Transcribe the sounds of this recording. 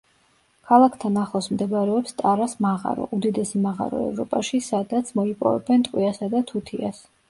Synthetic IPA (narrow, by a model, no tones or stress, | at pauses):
kʰalˠakʰt̪ʰanaχlˠɔsmd̪ɛbɾɛɔpst̪ʼaɾasmaʁa̰ɾɔ̰ʔud̪id̪ɛsimaʁa̰ɾɔ̰ɛ̰vɾɔpʼaʃisad̪at̪sʰmɔipʼɔ̰vɛ̰bɛnt̪ʼqʼwiasad̪at̪ʰut̪ʰias